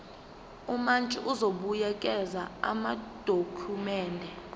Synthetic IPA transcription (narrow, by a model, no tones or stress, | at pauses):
umant͡ʃʼiʔuzoɓujɛkʼɛzaa̰mad̥ʱokʰumɛːndʱɛ